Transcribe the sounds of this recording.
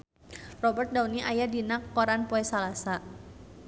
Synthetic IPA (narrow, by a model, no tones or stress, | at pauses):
rɔbərt̪̚dauniʔajadinakːoɾanpoɛsalasa